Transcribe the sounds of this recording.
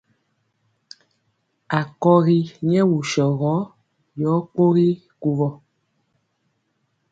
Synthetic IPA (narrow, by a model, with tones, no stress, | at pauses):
a˨kɔ˦ɣi˦ɲɛ˦wu˨ʃɔ˨ɣɔ˨˦ | jɔː˨˦k͡po˦ɣi˦ | ku˨vɔ˨